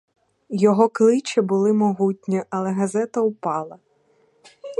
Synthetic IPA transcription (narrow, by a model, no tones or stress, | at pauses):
jɔɦɔklˠɪt͡ʃibʊlˠɪmɔɦutʲnʲiʔɐlˠɛɦɐzɛt̪ɐupɑlˠɐ